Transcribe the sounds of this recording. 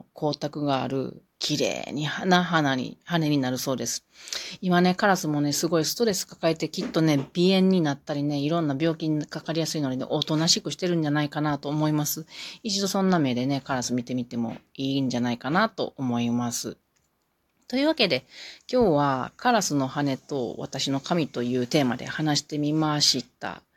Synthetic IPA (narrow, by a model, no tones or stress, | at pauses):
kʰo̞ːt̪akɯ̟ɡa̰ːɾɯ̟̰ | kʲʰiɾe̞̰ːɲ̟ihanaɦanaḭhane̞ɲ̟inaɾɯ̟so̞ːd̪e̞sɨ̥imane̞kaɾasɨmo̞ne̞sɨɡo̞isɨ̥t̪o̞ɾe̞sɨ̥kḁkae̞t̪e̞kʲit̪ːo̞ne̞b̥ʲiẽ̞ɲ̟ːinat̪ːaɾʲine̞iɾõ̞nːabʲo̞ːkʲiɲikakaɾʲijasɨino̞ɲine̞̰ʔot̪o̞naɕikɯ̟ɕi̥t̪e̞ɾɯ̟̃ɲ̟d͡ʑanaikanat̪o̞ːmo̞imasɨit͡ɕid̪o̞sõ̞nːame̞ːd̪e̞ne̞kaɾasɨmʲit̪e̞mʲit̪e̞mo̞̰iːɲ̟d͡ʑanaikanat̪o̞̰ʔomo̞imasɨ̰ | t̪o̞iɯβake̞d̪e̞kʲo̞ːβakʰaɾasɨno̞hane̞t̪o̞̰βa̰t̪aɕino̞kamʲit̪o̞jɯ̟ːt̪e̞ːmad̪e̞̰hanaɕi̥t̪e̞mʲimaɕit̪a̰